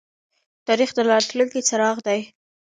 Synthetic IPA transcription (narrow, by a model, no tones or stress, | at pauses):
t̪ɑɾixd̪əlɑʈluŋkit͡saɾɑɣd̪aj